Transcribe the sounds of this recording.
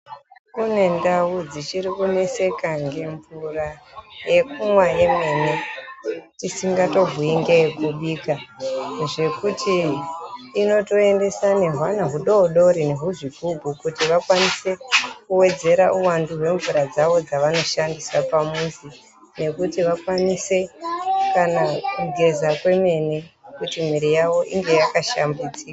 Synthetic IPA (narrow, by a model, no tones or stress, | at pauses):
kune̞ndawud͡zit͡ʃiɾikune̞se̞kaŋɡe̞ɱvuraje̞kumwajemwe̞ne | tisiŋɡato̞vʱuiŋɡekuɓiːka | ʐe̞kutʰiː | no̞to̞e̞nde̞sane̞ɦwanaɦuɗo̞ɗo̞ɾine̞ɦuʐikuɡʱukutiʋakwanise̞kuwe̞d͡ze̞ɾaʔuwanduɦwe̞ɱvuɾad͡zaʋo̞d͡zaʋano̞ʃandiswapamunzi | ne̞kutiʋakwanise̞kanakuɡʱe̞zakwe̞me̞nekutim̤iɾijaʋo̞ʔiŋɡe̞jakaʃambit͡sika